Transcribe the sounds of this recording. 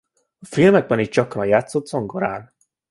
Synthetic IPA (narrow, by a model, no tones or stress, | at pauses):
ɒfilmɛɡ̚bɛnit̚t͡ʃɒkrɒjaːt̪sot̪ːsoŋɡoɾa̰ːn